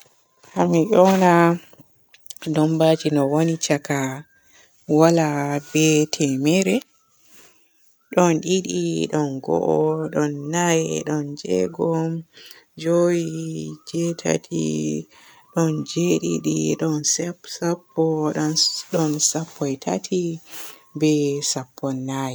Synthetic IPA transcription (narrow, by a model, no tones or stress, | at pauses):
hamiʔɔna | dɔmbad͡ʒinɔwonit͡ʃaka | walabɛtʰɛmɛɾɛ | ɗɔnɗiɗiɗɔnɡɔ̰ʔɔɗɔnːajɛɗɔnd͡ʒɛ̰ɡɔmd͡ʒojid͡ʒɛtʰa̰tʰḭ | ɗɔnd͡ʒeɗḭɗiɗɔnssapːɔ | ɗɔnsapʰːɔjtʰa̰tʰi | bɛsapʰːɔnːajɛ